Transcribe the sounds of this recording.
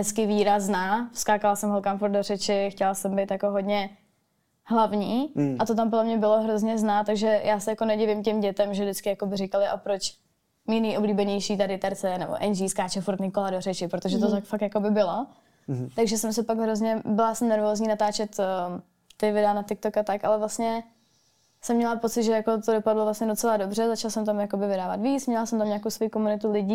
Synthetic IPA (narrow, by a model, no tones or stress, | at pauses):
ɦɛt͡skɪviːɾaznaːskaːkalasɛmɦolkamfuɾt̪dorɛt͡ʃɪxcɛlasɛmbɛjt̪jakoɦodɲɛ | ɦlavɲiːʔat̪ot̪̬ampodlɛmɲɛbɪlo̞ɦɾozɲɛznaːt̪aɡʒɛjʔaːsɛjakonɛɟɪvɪmcɛmɟɛt̪ɛmʒɛvdɪt͡skɪjakobɪɾɪkalɪʔapɾot͡ʃ | miːnɛjʔobliːbɛɲɛjʃiːt̪adɪt̪ɛɾt͡sɛnɛbo̰ʔɛnʒiːskaːt͡ʃɛfuɾt̪ɲɪkoladorɛt͡ʃɪpɾot̪oʒɛt̪ot̪akfakt̪jako̞bɪbɪlo̞ | t̪aɡʒɛsɛmsɛpaɡɦɾo̞zɲɛbɪlasɛmnɛɾvoːzɲiːnat̪aːt͡ʃɛt̪ː | t̪ɪvɪdɛanat̪ɪk̚t̪okat̪akʔa̰lɛvlast̪ɲɛ | sɛmːɲɛlapo̞t͡sɪt̪ʒɛjakot̪odopadlovlastɲɛdot͡sɛladobr̝ɛzat͡ʃalsɛmt̪amjakobɪvɪdaːva̰t̪viːt͡smɲɛlasɛmt̪amɲaːkowsvo̞jiːkomunɪt̪ulɪɟiː